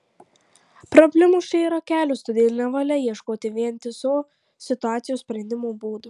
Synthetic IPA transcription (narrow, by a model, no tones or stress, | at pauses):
pɾɔbʲlʲɪmʊʃt͡ʃʲɛɪiɾɐkʲæːlʲʊst̪ɔd̪ʲeːlʲɪnʲɛʋɐlʲɛjiɛʃkoːt̪ʲɪʋʲiɛnʲt̪ʲɪso | sʲɪt̪ʊaːt̪sʲɪjuːssʲpʲɾʲɛnʲd̪ʲɪmubuːd̪ʊ